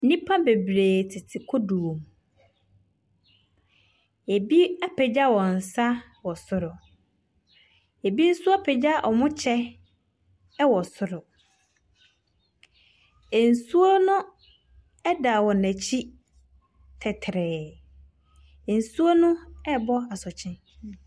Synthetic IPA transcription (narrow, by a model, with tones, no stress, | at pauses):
nĩ˦pʰã˦be˨bɾeː˨tʰɪ˨tʰɪ˨kʰɔ˦du˨o˨m | e˨bi˦a˦pʰɛ˨d͡ʑa˦wɔ̃˨n̩˨sa˦ | wɔ˨sʊ˨ɾʊ˨ | e˨bi˦n̩˦sʊ˦a˦pʰɛ˨d͡ʑa˦ʔɔ˨mʊ̃˦t͡ɕʰɛ˦ | wɔ˨sʊ˨ɾʊ˨ | e˨n̩˨su˦o˦nʊ̃˦ | ɛ˦da˨wɔ̃˨næ˨t͡ɕʰi˦ | tʰɛ˨tʰɾɛː˨ | n̩˨su˦o˦nʊ̃˦ɛ˦bɔ˦a˨sɔ˨t͡ɕʰɪ̃˦